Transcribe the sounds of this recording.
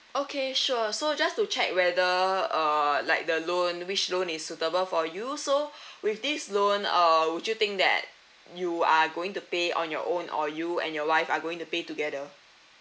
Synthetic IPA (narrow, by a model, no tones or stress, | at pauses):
okʰeʃuəsod͡ʒastut͡ʃɛk̚wɛdəʌlaɪk̚dəlõnwit͡ʃlõnisːutəbəlfɔjusowifdislõnʌwud͡ʒjut̪ɪ̃ŋk̚dɛ̰t̚ | juaɡoɪ̃ŋtupeɔ̰̃njɔ̰ʔõnɔ̰juɛ̰̃njɔwaɪfaɡoɪ̃ŋtupetuɡɛdə